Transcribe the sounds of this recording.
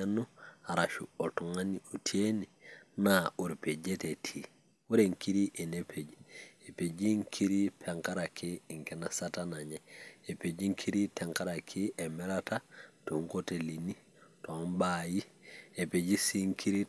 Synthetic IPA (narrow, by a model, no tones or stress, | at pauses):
anuhaɾaʃuotuŋaniotʰieninauɾpeɟetetʰi | uɾeŋkiɾiʔinepʰeɟiepeɟiŋkʰiɾipʰeŋkaɾakʰiiŋkenasatanaɲeepeɟiŋkʰiɾiteŋkaɾakʰiʔemɛɾatatuŋkotelini | tombajiepeɟisiŋkʰiɾi